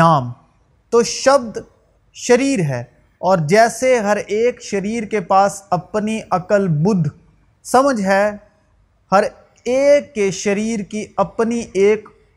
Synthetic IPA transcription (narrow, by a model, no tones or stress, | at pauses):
aːm | t̪oːʃɐb̚d̪ | ʃɐɾiːɾɦɛː | ɔːɾd͡ʒɛːseɦɐɾeːkʃɐɾiːɾkepaːsɐpniʔɐkəlbʊd̪ʱ | sɐməd͡ʒʱɦɛ | hɐɾ | eːkːeʃɐɾiːɾkiɐpniʔeːk